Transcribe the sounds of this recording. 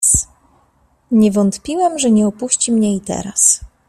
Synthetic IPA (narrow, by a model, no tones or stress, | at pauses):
s | ɲɛvɔnt̪pʲiwɛmʐɛɲɛɔpuɕt͡ɕimɲɛit̪ɛ̰ɾa̰s